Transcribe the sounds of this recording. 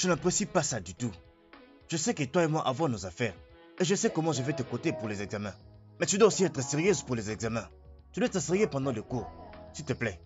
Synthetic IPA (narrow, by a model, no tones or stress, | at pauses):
ʒ̥ənapʁesipasad̪yt̪u | ʒ̥əsɛket̪waemwaʔavɑ̃nozafɛːʁ | eʒəsɛkɔmɑ̃ʒəvɛt̪əkot̪epuʁlɛzɛɡzamɛ̃ | mɛt̪yd̪ɛosiɛt̪χəseʁijøzpuʁlɛzɛɡzamɛ̃ | t̪yd̪wɛt̪aseʁjepɑ̃d̪ɑ̃lekoʁsit̪əplɛ